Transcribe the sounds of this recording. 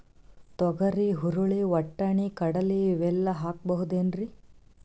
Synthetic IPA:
t̪ɔɡɐɾiɦuɾuɭiʋɐʈːɐɳikɐɽɐliʋɛlːɐɦaːk̚bɐɦud̪eːnɾi

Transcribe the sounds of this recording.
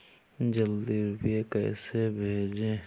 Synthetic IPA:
d͡ʒəld̪iɾʊpjekɛ̰ːsebʱeːd͡ʒẽː

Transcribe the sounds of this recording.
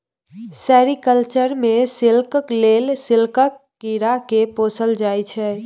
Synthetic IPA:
sɛɾikəlt͡ʃəɾmesilkəklelsilkəkːiɾakeposəld͡ʒajt͡ʃʰɛ

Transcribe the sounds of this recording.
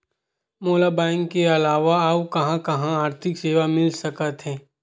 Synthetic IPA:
moːlabɛ̃ːɪŋkːeɐlaːʋaaːukɐɦãkɐɦãaːɾt̪ʰɪkseːʋamɪlsɐkət̪ɦɛ̃ː

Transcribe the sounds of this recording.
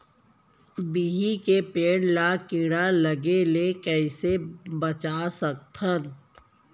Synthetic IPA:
biɦikepeːɽ̃lakɪɽaləɡelekɛːsebət͡ʃaːsək̚t̪ʰən

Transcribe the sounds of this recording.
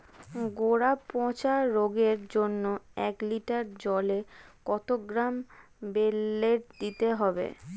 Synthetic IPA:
ɡoɾapɔ̃t͡ɕaɾoɡeɾd͡ʑonːoɛ̰kliʈaɾd͡ʑɔlekɔt̪oɡɾam | belːeɾd̪it̪eɦɔbḛ

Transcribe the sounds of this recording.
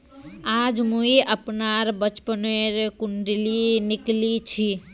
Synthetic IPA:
ad͡ʒmuiʔəpnaɾbət͡ʃpəneɾkuɳɖiliniklit͡ʃʰi

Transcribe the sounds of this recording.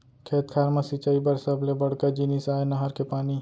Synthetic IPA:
kʰeːt̪kʰaːɾmasit͡ʃaːibəɾsɐblebɐɽkad͡ʒinisaːenɐɦəɾkepaːni

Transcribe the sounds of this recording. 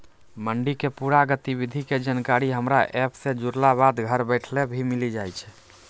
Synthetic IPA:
məɳɖikepuɾaɡət̪ibid̪ʱiked͡ʒənkaɾiɦəmɾaʔɛpsẽd͡ʒuɾlabad̪ɡʱəɾbəjʈʰlebʱimilid͡ʒajt͡ʃʰ

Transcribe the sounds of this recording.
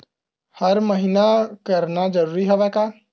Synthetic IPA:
həɾməɦinakəɾnad͡ʒəɾuːɾiɦoʋɛka

